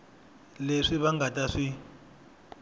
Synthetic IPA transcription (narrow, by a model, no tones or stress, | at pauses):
leʂiβaŋɡataʂi